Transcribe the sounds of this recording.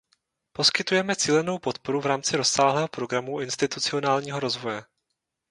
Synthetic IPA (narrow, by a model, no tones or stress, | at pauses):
po̞skɪt̪ujɛmɛt͡siːlɛno̞wpo̞t̪po̞ɾuvɾaːmt͡sɪɾo̞ssaːɦlɛːɦo̞pɾo̞ɡɾamuʔɪnst̪ɪt̪ut͡sɪo̞naːlɲiːɦo̞ɾo̞zvo̞jɛ